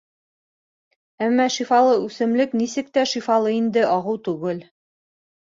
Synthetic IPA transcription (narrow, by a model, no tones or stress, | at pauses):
æmːɑʃifɑlˠɤʉsɘ̆mlɘknisɘ̆k̚t̪æʃifɑlˠɤind̪ɘʔɑʁɤwt̪ʉɡɘl